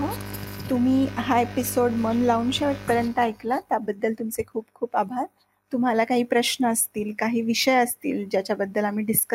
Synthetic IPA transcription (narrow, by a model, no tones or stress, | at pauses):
ɦət̪um̤iːɦaepisoɽmənlaunɕeʋəʈ̪̚pəɾənt̪əajklat̪jabəd̪ːəlt̪umt͡sekʰuːpkʰuːpabʱaɾ | t̪um̤alakaɦiːpɾəɕnəəst̪iːlkaɦiːʋiɕəjəst̪ḭːld͡ʑjat͡ɕjabəd̪ːəlam̤iːɖiskə